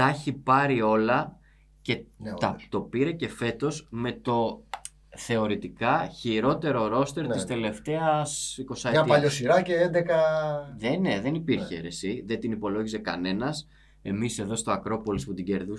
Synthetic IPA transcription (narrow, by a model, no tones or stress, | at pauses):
t̪ɐçipɐɾio̞lɐ | ce̞t̪ɐt̪o̞piɾece̞fe̞t̪o̞zme̞t̪o̞ | θe̞o̞ɾit̪ikɐçiɾo̞t̪e̞ɾo̞ɾo̞st̪e̞ɾt̪ist̪e̞le̞ft̪e̞ɐsiko̞sɐeɐpɐʎosiɾɐceend̪ekɐðeneðe̞nipiɾçeɾesiðe̞nt̪inipo̞lo̞ʝise̞kɐ̰ne̞nɐs | e̞mise̞ðo̞st̪o̞ɐkɾo̞po̞lisput̪iɟe̞ɾðu